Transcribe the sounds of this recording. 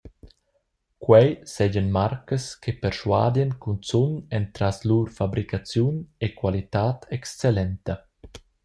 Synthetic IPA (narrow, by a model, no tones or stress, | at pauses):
kwɛjsɛɟənmaɾkəskepəɾʃwa̰ːd̪jɛnkunt͡sunɛnt̪ɾasluɾfabɾikat͡sjunekwalit̪aːt̪ʰɛkst͡sɛlɛnt̪ə